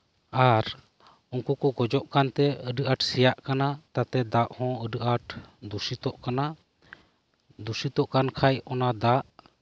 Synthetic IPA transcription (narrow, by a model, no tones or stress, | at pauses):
aɾ | uŋkukuɡɔd͡ʒɔʔkant̪ɛəɖəʔaʈsɛjaʔkanat̪at̪ɛd̪aʔhɔ̃əɖəʔaʈd̪usit̪ɔʔkana | d̪usit̪ɔʔkankʰajɔnad̪aʔ